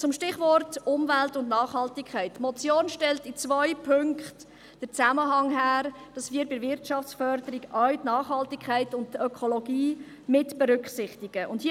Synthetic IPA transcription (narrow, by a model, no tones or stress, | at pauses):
t͡sʊmʃtɪχvɔrtʊmvæltʊndnɑːχhɑltɪkʰχæɪtːmɔt͡sjoːnʃtɛltɪt͡svœʏpʰʏŋkχt | d̥əɾt͡sæməɦɑŋɦæːɾd̥ɑsviːɾbɪɾvɪɾtʃɑft͡sfœɾdəɾiɡœɥtnɑːχhɑltɪkʰχæɪtʊntœkʰolɔɡiː | mɪtb̥ɛɾʏkχsɪχtɪɡ̥əʔʊndhi